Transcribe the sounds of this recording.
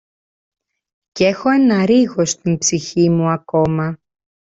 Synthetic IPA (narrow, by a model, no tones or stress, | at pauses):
ce̞xo̞e̞nɐɾiɣo̞st̪inbsiçimuɐko̞mɐ